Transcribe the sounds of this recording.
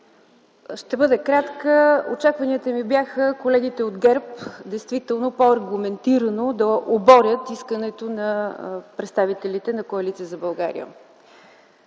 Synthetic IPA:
ʃt̪ɛbɤd̪ɛkɾat̪kəo̰t͡ʃakvɐniət̪əmibjaxəkolɛɡit̪ɛod̪ɡɛɾpd̪ɛjst̪vit̪ɛlˠnopoɐɾɡumɛnt̪iɾənod̪ɐʔobɔɾʲət̪iskənɛt̪onɐpɾɛt̪st̪avit̪ɛlit̪ɛnɐkoɐlit̪sijəzɐbɐlˠɡa̰ɾḭjə̰

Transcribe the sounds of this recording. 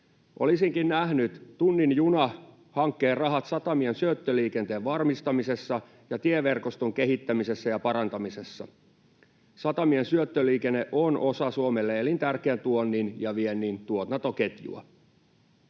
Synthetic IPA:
ʔo̰lisiŋkinnæɦnyt̪t̪unːinjunɑ | hɑŋkːeːrɑɦɑt̪sɑt̪ɑmiensyøt̪ːøliːkent̪eːʋʋɑrmist̪ɑmisesːɑ | jɑt̪ieʋerkost̪oŋkeɦit̪ːæmisesːæjɑpɑɾɑnt̪ɑmisesːɑ̰ | sɑt̪ɑmiensyøt̪ːøliːkenːeʔonʔosɑsuomelːeelint̪ærkeænt̪uonːinjɑʋienːint̪uot̪nɑt̪oket̪jṵɑ̰

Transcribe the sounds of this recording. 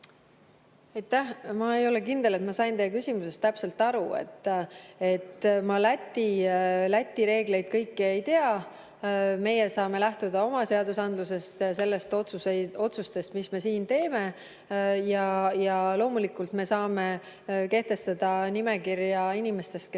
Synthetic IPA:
ɑjt̪ːæhmɑe̞jo̞le̞kind̪̥e̞le̞t̪mɑsɑjnt̪e̞jːek̬ysʲimuse̞st̪æpse̞lt̪ːˑɑɾue̞̰t̪ːˑe̞t̪ːmɑlæt̪ːˑilæt̪ʲːiɾe̞ːɡ̥le̞jd̪̥̚kɤ̞jkːie̞jt̪e̞ɑ | me̞jesɑːme̞læht̪ud̪̥ɑo̞mɑse̞ɑd̪usɑnd̪luse̞st̪jɑse̞lːe̞st̪t̪suo̞t̪sust̪e̞st̪misme̞siːnt̪e̞ːme̞ | jɑjɑlo̞ːmulikːult̪me̞sɑːme̞ | ke̞ht̪e̞st̪ɑd̪̥ɑnimekirjɑinime̞st̪e̞st̪̚k

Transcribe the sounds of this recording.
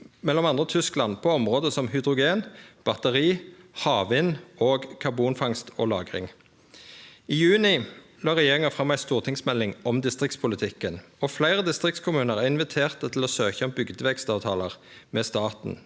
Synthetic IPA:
mɛlːɔmɑnd̪ʁət̪ʰʏsklɑnpʰɔɔmʁoːd̪əsɔmhʏd̪ʁʊɡeːnb̥ɑt̪əʁiːhɑːʋɪnoːɡkʰɑʁbuːnfɑŋst̪ʰo̰ːlɑːɡʁɪ̰ŋ | iːjʉːnɪlɑːʁɛjeːʁɪŋəfʁɑmːæɪst̪uːʁt̪ʰɪŋsmɛlːɪŋɔmd̪ɪst̪ʁɪkt̪spʰʊlət̪ʰɪkːənɔːflæɪʁəd̪ɪst̪ʁɪk̚t̪skʰʊmʉːnəʁæʁɪnʋɪt̪ʰeːʁt̪ət̪ʰɪlɔːsøːçəɔmbʏɡd̪əʋɛkst̪ɑːʋt̪ʰɑːləʁ | mɛːst̪ɑːt̪n̩

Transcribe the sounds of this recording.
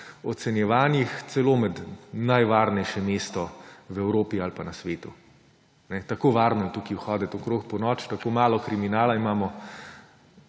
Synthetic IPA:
ɔt̪sɛnjɛʋaːnjixt̪sɛloːmɛd̪najʋaːɾnɛjʃɛmeːst̪ɔwɛwɾoːpialpanɐsʋeːt̪u | nɛt̪akoːʋaːɾnɔɛt̪ukiwxɔːd̪ɛt̪okɾoːxpɔnɔːt͡ʃt̪akoːmaːlɔkɾiminaːlaimaːmɔ

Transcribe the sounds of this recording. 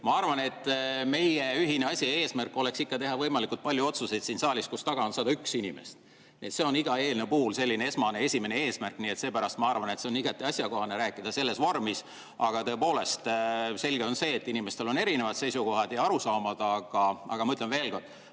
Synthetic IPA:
mɑɑrvɑne̞t̪ˑːme̞jjeyɦine̞ɑsʲie̞ːsmærkːˑo̞le̞ksikːɑt̪e̞ɦɑvɤjmɑlikult̪̚pɑlʲjuo̞t̪suse̞jd̪sinsɑːlʲiskust̪ɑɡ̥ɑonsɑːd̪ɑyksinimḛst̪ | niet̪se̞o̞niɡ̥ɑe̞ːlnepuːlselʲːinee̞smɑne̞e̞sʲime̞ne̞e̞ːsmærkːˑnie̞t̪se̞ːpæɾɑst̪mɑɑrvɑnet̪se̞oniɡɑt̪ːˑiɑsʲjɑko̞hɑneɾæːkːˑid̪̥ɑse̞lːe̞svo̞rmis | ɑɡ̥ɑt̪ɤ̞e̞po̞ːle̞st̪se̞lɡ̥e̞o̞nse̞ːt̪ːinʲime̞st̪e̞lo̞ne̞ɾine̞vɑd̪̥se̞jsuko̞ɦɑd̪̥jɑɑɾusɑːmɑd̪̥ɑɡ̥ɑɑ̰ɡ̥ɑmɤt̪ːˑlenve̞ːlko̞rd̪̥

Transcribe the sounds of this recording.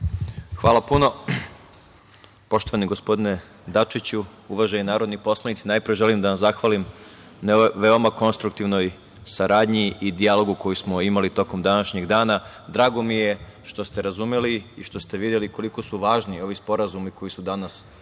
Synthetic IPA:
xʋaːlapuno̞ | po̞ʃt̪o̞ʋaniɡo̞spo̞d̪ine | d̪at͡ʃit͡ɕuuʋaʒeinaːɾo̞d̪nipo̞slˠanit̪sinajpɾijeʒe̞limd̪anaszaxʋaːlimnʋe̞omako̞nst̪ɾuk̚t̪iʋno̞j | saɾaːd̪ɲiid̪ijalo̞ɡukojismo̞imalit̪o̞ko̞md̪anaʃɲeɡd̪aːna | d̪ɾaːɡo̞mije̞ʃt̪o̞st̪e̞ɾazumeliiʃt̪o̞st̪e̞ʋid̪je̞liko̞liko̞suʋaːʒnio̞ʋispo̞ɾazumiko̞jisud̪anas

